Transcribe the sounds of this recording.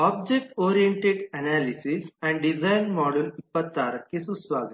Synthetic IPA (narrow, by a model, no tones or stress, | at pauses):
ɔb̚d͡ʒek̚ʈɔɾijeɳʈeʈɛnalisisɛ̃ɳɖɖid͡zajnmɔɽulipːəaɾkːisusʋaɡ̪